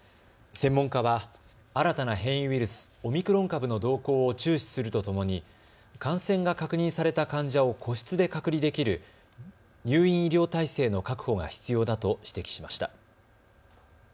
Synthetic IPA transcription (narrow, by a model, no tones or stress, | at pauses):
sẽ̞mːõ̞ŋkaβa | aɾat̪anaɦẽ̞ɰ̃jɯ̃βʲiɾɯ̟sɨ̥o̞mʲikɯ̟ɾõ̞ŋkabɯ̟no̞d̪o̞ːko̞ːot͡ɕɨːɕi̥sɨɾɯ̟t̪ot̪o̞mo̞ɲ̟i | kãɰ̃sẽ̞ŋɡakakɯ̟ɲ̟ĩɰ̃saɾe̞t̪akãɲ̟d͡ʑao̞kʰo̞ɕi̥t͡sɨd̪e̞kakɯ̟ɾʲid̪e̞kʲiɾɯ̟ | ɲʲɨːĩɰ̃iɾʲo̞ːt̪aise̞ːno̞kakɯ̟̥ho̞ɡa̰çi̥t͡sɨjo̞ːd̪at̪o̞ɕi̥t̪e̞kʲi̥ɕimaɕi̥t̪a̰